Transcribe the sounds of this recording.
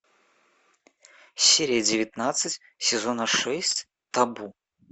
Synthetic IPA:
sʲeɾʲɪjəd͡zʲɪvʲɪt̪nat̪sɨt͡sʲ | sʲɛzɔnɐʂɛsʲt͡sʲ | t̪abu

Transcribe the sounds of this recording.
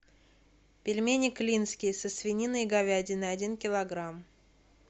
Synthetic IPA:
pʲɪlʲmʲenʲɪklʲinskʲɪjsəsvʲɪnʲinɨɡɐvʲædʲɪnəɐdʲinkʲɪlˠɐɡɾam

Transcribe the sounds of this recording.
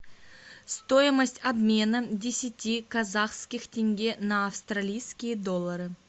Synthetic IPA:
st̪o̞jiməsʲtʲabmʲe̞nədʲɪsʲɪtʲːikazaχskʲɪxtʲeŋʲɡʲe̞naːfst̪ralʲijskʲijəd̪o̞lˠːɐɾɨ

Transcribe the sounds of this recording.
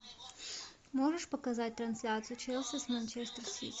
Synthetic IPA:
mɔʒɛʃpɔkazat̚ʲt̪ɾansʲlʲat̪sɨjut͡ʃʰɛlˠsəsmənt͡ʃʰɛst̪əɾsḭ

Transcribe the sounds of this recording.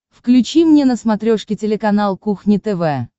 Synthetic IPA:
fklʲʉt͡ɕimnʲenəsmɐt̪ɾʲoʂkʲɪtʲɪlʲɪkɐnalˠkuxnʲɪt̪ɛvɛ

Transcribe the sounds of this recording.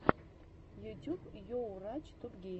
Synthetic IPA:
jutʰʲubjowrat͡ʃʰt̪ʰupɡʲe

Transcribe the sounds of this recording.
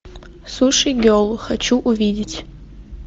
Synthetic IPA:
suʂiɡʲolχat͡ʃʰuʔuvidʲɪtʰʲʼ

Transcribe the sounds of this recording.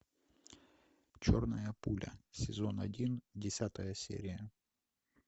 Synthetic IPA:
t͡ɕornɐjɐpulʲɐ̰sʲɪzonɐ̰dʲindʲɪsʲat̪ɐjəsʲḛɾʲɪjə

